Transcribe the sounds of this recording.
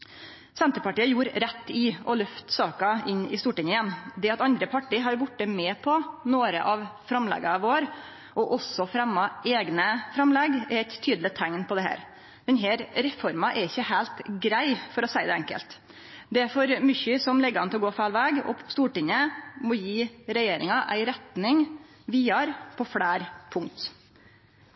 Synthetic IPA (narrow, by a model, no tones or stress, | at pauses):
sɛnt̪əpɑʈiːəjuːɾɾɛt̪ːɪɔlœft̪sɑːkɑɪnɪ̰st̪uːʈɪɲəənd̪ɛɑt̪ɑnd̪ɾəpʰɑʈːiːɦɑɾjbʊʈːəmɛːpʰɔnoːɾə̰ʔɑʋfɾɑmlɛ̰ɡɑʋoːɾ | ʔɔʔɔsɔfɾɛmːɑeːɡnəfɾɑmlɛɡɛɾɛɪt̪ʰːyːd̪lɪt̪ʰæŋnpʰɔd̪ɛhæ̰ːɾ | d̪̥ɛnɦeːɾɾɛfɔɾmɑʔɛɾɪçːəhæɪlt̪ɡɾæɪfɔɾɔsæɪd̪ɛɛŋkə̰lt̪ | d̪ɛfɔɾmʏçʏsɔmlɛɡːɑnt̪ɪlɔɡoːfæːlʋæːɡɔ̰st̪uːʈɪŋəmɔjiːɾɛjeːɾɪŋɑʔæ̰ɪɾɛt̪nɪŋ | ʋiːɑɾpʰɔfɽæːɾpʰʊŋt̪